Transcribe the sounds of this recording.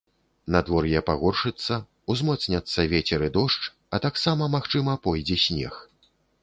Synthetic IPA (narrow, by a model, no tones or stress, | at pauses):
nad̪vɔrjɛpaɣɔrʂɨt̪sːɐ | uzmɔt̪snʲɐt̪sːɐvʲet͡sʲɛɾɨd̪ɔʂt͡ʂ | ɐt̪aksamɐmaxt͡ʂɨmɐpɔjd͡zʲɛsʲnʲɛ̰x